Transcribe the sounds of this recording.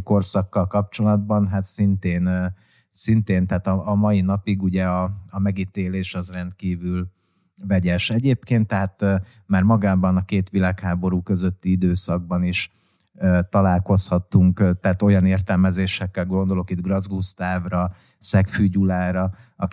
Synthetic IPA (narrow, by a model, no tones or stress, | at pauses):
ko̞rsɒkːɒlkɒp̚t͡ʃo̞lɒd̪bɒnɦat̪sint̪eːn | sint̪eːnt̪ɛːt̪ɒːmɒjinɒpiɡuɟɛɒɒmɛɡit̪eːleːʃɒzrɛnt̪̚kiːvyl | vɛɟɛʃɛɟeːpkeːnt̪ːɛɦaːt̪ː | maːrmɒɡaːbɒnɒkeːt̪ʋilaːkhaːbo̞ɾuːkø̞zø̞t̪ːiid̪øːsɒɡ̚bɒniʃ | øːt̪ɒlaːlko̞shɒt̪ːuŋkt̪ɛːt̪o̞jɒneːrt̪ɛlmɛzeːʃɛkːɛlɡo̞nd̪o̞lo̞kid̪ɡrɒzɡust̪aːvrɒ | sɛkfyːɟulaːɾɒɒ̰